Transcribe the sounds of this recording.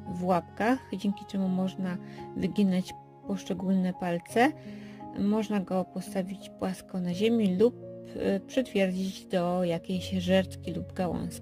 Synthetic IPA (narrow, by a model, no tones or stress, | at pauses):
vwapkaxd͡ʑeŋkʲit͡ʂɛmumɔʐnavɘɡʲinat͡ɕ | pɔʂt͡ʂɛɡulnɛpalt̪sɛ | mɔʐnaɡɔpɔst̪avʲit͡ɕpwaskɔnaʑemʲiluppʂɨt̪fʲjɛɾd͡ʑid͡ʑd̪ɔjakʲeɕʐɛɾt̪kʲilubɡawɔ̰̃w̃sʲ